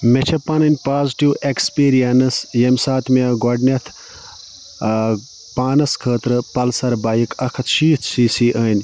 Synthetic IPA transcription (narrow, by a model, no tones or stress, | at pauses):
met͡ʃʰɐpːɐnɐnʲpaːziʈiwekspiːɾijɐnɨsjemʲsaːt̪ʰmeɡɔɖnʲɐt̪ʰ | paːnɐskʰəːt̪ɾɨpɐlsɐɾbaːjikʰɐkʰɐt̪ʰʃiːt̪ʰsiːsiːʔəːnʲ